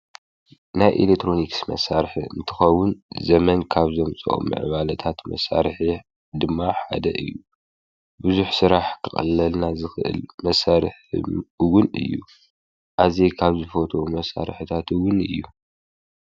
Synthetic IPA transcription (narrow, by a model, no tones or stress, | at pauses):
najʔḭlekt̪ʰːɾo̞niksmɐ̰saɾħiɨ̰nt̪ʰɨ̥xɐwʊnzɐmɐnkʰaβzomt͡sʼo̰ʔmɨ̰ʕβalɐt̪ʰat̪mɐ̰sa̰ɾħi | d̪ɨmːaħa̰d̪ɐ̰ʔɨjːu | bɨzuħsɨɾaħkʰɨxʼɐ̰lːɐlnazɨxɨʔɨ̰lmɐsaɾħwʊnɨ̰jːṵ | ʔazekʰaβzɨfot̪ʰo̞mɐsa̰ɾħɨt̪ʰat̪ʰɨwʊnɨjːu